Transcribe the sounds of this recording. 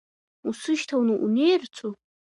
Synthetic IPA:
usɨʃtʰawnɨʔṵnejrt͡sʷʰu

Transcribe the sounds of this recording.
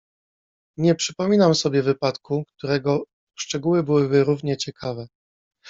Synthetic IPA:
ɲɛpʂɘpɔmʲinamsɔbʲjɛvɘpat̪kukt̪uɾɛɡɔ | ʂt͡ʂɛɡuwɘbɘwɘbɘɾuvɲɛt͡ɕɛkʰavɛ

